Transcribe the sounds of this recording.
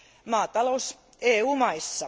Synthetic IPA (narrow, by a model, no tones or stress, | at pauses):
mɑːt̪ɑlous | eːuːmɑisːɑ